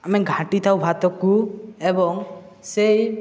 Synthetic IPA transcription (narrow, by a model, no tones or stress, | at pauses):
amɛɡʱãʈit̪ʰawbʱat̪ɔkuebɔŋ | sej